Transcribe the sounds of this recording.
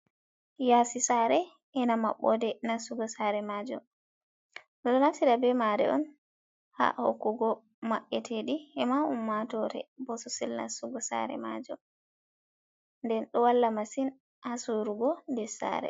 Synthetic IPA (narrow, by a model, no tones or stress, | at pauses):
jaːsisaɾɛ | ɛnama̰ɓːɔ̰dɛnasuɡɔsaɾɛmad͡ʒɔ̰m | ɗɔɗɔnafsiɗabɛmaɾɛ̰ʔɔn | ha̰ho̰kːuɡɔ | maɓːɛtʰeɗiɛmaumːatɔɾɛ̰bɔsɔsilna̰suɡɔsa̰ɾɛ̰ma̰d͡ʒɔm | ndɛnɗɔwalːamasin | ʔasuɾuɡɔndɛsa̰ɾɛ̰